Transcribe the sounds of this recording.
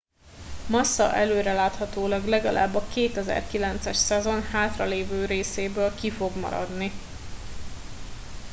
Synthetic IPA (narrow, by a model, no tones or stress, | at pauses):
mɒsːɒ̰ʔɛløːɾɛlaːt̪hɒt̪oːlɒɡlɛɡɒlʔa̰ːbːɒkeːt̪ɛzɛ̰rkilɛnt̪sɛʃsɛzo̞nhaːt̪rɒleːvøːɾeːseːbøːlkifo̞ɡmɒ̰ɾɒ̰d̪ni